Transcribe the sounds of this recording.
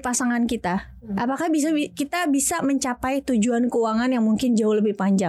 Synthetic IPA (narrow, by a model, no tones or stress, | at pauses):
pasaŋankit̪a | ʔapakahbiakit̪abisaməɲt͡ʃapajt̪ud͡ʒuankəwaŋanjaŋmuŋkɪnd͡ʒaʊhləbɪhpaɲd͡ʒa